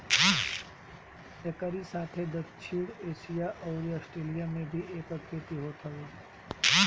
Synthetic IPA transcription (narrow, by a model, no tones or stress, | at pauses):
ekəɾisaːt̪ʰed̪ɐkt͡ʃʰiɽeːʃijaʔɔːɾijasʈɾeːlijamẽbʱiʔeːkəkʰɾeːt̪iɦot̪ʰaoː